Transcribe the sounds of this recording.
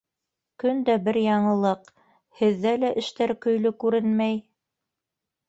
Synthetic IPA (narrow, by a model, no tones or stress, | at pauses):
kɵnd̪æbɘɾjɑɴɤ̆lˠɤq | hɘ̆ðːælæʔɘ̆ʃt̪æɾkɵ̆jlɵkʉɾɘnmæj